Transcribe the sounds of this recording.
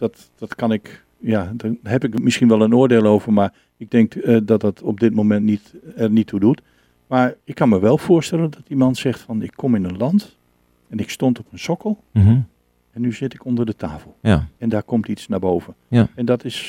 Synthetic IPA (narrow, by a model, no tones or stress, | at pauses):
d̥ɔt | d̥ɔtkɑnɪk | jaːdaɦɛpɪkmɪsxinʋɛlˠənoːərdeːlˠowvərmar | ɪɡ̚dɪŋkdɔt̚dɔtɔb̚dɪt̚momɛntnitɛrnitʰːudut | maɹɪkʰːɑnməʋɛlˠfʊərstɛləndɔtdimɑntsɛxtfɔnɪkʰːɔmɪnənlɑnt | ɛnɪkstontɔpənsɔkəlˠ | ɛnːyzɪtɪkondərdətʰaːfəl̩ˠɛndaːɹkɔmtisnabowvənɛndɔtɪs